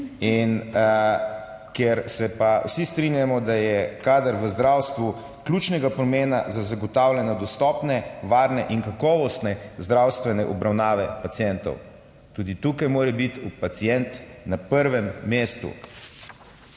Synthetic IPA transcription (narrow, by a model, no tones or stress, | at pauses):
in | kjɛɾsɛpawsist̪ɾinjamɔd̪ajɛkaːd̪əɾʋəzd̪ɾawst̪ʋu | klʲut͡ʃnɛɡapɾɔmeːna̰zazaɡɔt̪aːwljɛnɔd̪ɔst̪ɔːpnɛʋaːɾnɛʔiŋkakɔːʋɔst̪nɛzd̪ɾawst̪ʋɛnɛʔɔbɾawnaːʋɛpat̪sijɛnt̪ɔ̰w | t̪uːd̪it̪uːkajmoːɾɛbit̪upat̪sijɛnt̪napəɾʋɛmːeːst̪ṵ